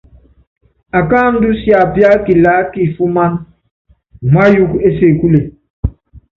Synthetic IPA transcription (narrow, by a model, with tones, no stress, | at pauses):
a˨ka˦n̩˦du˦sja˨pja˦ki˨la˦ki˨fu˦ma˦n | ma˦ju˦ke˦se˨ku˦le˨